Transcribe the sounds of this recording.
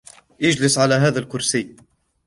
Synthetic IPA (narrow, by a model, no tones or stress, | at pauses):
jɪd͡ʒlɪsʕalaɦaːðalkʊɾsiː